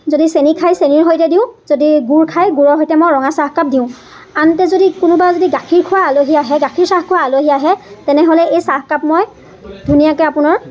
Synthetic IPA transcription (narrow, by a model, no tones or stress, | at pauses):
zodisenikʰajseniɹɦojtɛdĩʊ̃zodiɡuɹkʰajɡuɹɔɦojtɛmojɹɔŋasaxkap̚diʊ̃ | antɛzodikʊnʊbazodiɡakʰiɹkʰʊwaːloɦiaɦɛɡakʰiɹsaxkʰuwaːloɦiaɦɛtɛnɛɦolɛejsahkapmoj | dʱunijakɛapʊnɔɹ